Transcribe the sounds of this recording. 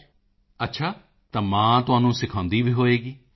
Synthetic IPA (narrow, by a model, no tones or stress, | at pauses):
ətːʃʰaː | t̪ãːmãːt̪ʊãːnũːsɪkʰãːnd̪iːbʱiːɦoːeːɡiː